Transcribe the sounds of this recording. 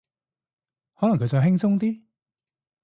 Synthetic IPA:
hɔː˨˥lɐ˨ŋkʰɵ˨˧jt͡sɔ˨wɦɪ˥ŋt͡sʊ˥ŋt̪iː˥

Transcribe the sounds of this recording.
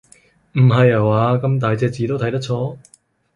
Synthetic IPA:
m̩˨˩ɦɐ˨jɐ˨˩waː˨˧kɐ˧mt̪aː˨jt͡sɛː˧k̚t͡siː˨˧t̪o˥wt̪ʰɐ˥jt̪ɐ˥k̚t͡sʰɔː˥

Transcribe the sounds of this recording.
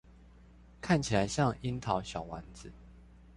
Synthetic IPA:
kʰa˥˨nt͡ɕʰi˨la˨˦ɪɕjɑ˥˨ŋi˦nt̪ʰɑ˨˦ʊɕjɑ˨˩ʊwa̰˨˧˦nd͡zɹ̩˨˦

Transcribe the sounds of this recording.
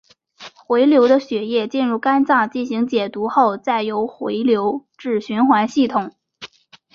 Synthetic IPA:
xwe˧˥ɪljo˧˥ʊd̪ə˧ɕɥɛ˧˥jɛ˥˧t͡ɕi˥˧nɻu˥˩ka˥nt͡sɑ˥˩ŋt͡ɕi˥˩nɕi˧˥ŋt͡ɕjɛ˨˩t̪u˧˥xo˥˧ʊt͡sa˥˩ɪjo˧˥ʊxwe˧˥ɪljo˧˥ʊʈ͡ʂɻ̩˥˩ɕy˧˥nxwa˧˥nɕi˥˩t̪ʰʊ˨˩˦ŋ

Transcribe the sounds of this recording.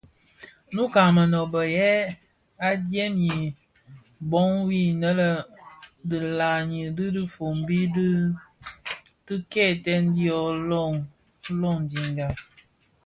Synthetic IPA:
nu˦ka˨ŋmə˨nɔ˨bə˨jɛ˦ | a˦djɛ˦mji˨ | bɔ˦ŋwi˦˨nə˦lə˦ | də˨la˨ɲi˨dɨ˦di˦fo˨mbi˦d | tɨ˦kɛ˦˨tɛ˦n˦di˦ɔ˦lɔ˦˨ŋ˦lɔ˦˨ŋdi˨ŋɡa˨

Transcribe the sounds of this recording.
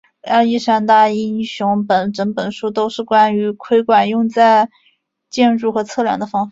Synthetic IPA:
ɑ˥˧i˥˧ʂa˥nt̪a˥˩i˥nɕʊ˧˥ŋpə˨˩˦nʈ͡ʂə˧˥npə˨˩nʂu˥t̪o˥ʊʂɻ̩˥˩kwa˥ny˧˥kʰwe˥ɪkwa˨˩njʊ˥˧ŋt͡sa˥˧ɪ | t͡ɕjɛ˥˧nʈ͡ʂu˥˩xɤ˧˥t͡sʰɤ˥˩ljɑ̰˨˩ŋd̪ə˧˦fɑ˥ŋfa˩˦

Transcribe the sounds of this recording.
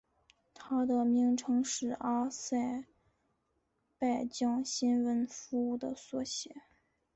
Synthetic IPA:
t̪ʰa˥d̪ə˨mi˧˥ŋʈ͡ʂʰɤ˧˥ŋʂɻ̩˥˩a˥sa˥˩ɪ | pa˥˩ɪt͡ɕjɑ˥ŋɕi˥nwə˧˥nfu˧˥u˥˩d̪ə̰˩swɔ˥˩ɕjɛ˧˥˦

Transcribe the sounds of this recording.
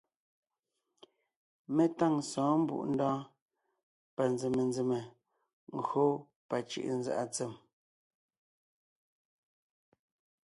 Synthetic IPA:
me˦ta˦˨ŋsɔ̃ː˨˦m̩˦bṵ˦˨ʔn̩˦dɔ̃ː˦ | pa˨nd͡ze˨me˨nd͡ze˨me˨ | ŋ̩˨ɡɰo˦ | pa˨t͡ʃɯ̰˦˨ʔn̩za̰˦ʔa˨t͡se˨m

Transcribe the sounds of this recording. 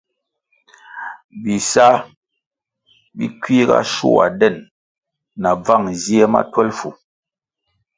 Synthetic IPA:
bi˨sa˦ | bi˦kɥi˦ɣa̰˦ʃṵ˦˨a̰˨dɛ˦˨nː | a˨b͡va˦˨ŋzje˦ma̰˦twɛ˦lfu˨

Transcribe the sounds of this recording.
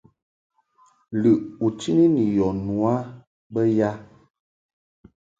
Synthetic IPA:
lɨ˨u˨t͡ʃi˦ni˦ni˨jɔ˨nu˨a˦ | bə˦ja˦

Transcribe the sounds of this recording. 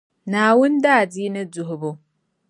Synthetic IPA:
naː˨wʊ˦ndaː˦˨di˦nɨ˦du˨ɦʊ˨bʊ˨

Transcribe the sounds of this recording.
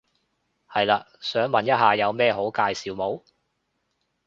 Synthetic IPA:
hɐ˨jlaː˧ | sœː˨˥ŋmɐ˨njɐ˥t̚ɦaː˨jɐ˨˧wmɛː˥ɦo˨˥wkaː˧jsiː˨wmo˨˧w

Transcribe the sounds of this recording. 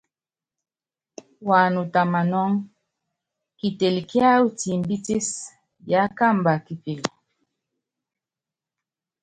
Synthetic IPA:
wa˨nu˨ta˨ma˨nɔ˦ŋ | ki˨te˨lkja˦u˦ti˨mbi˦ti˦s | ja˨˦ka˦˨mba˨ki˨pe˨l

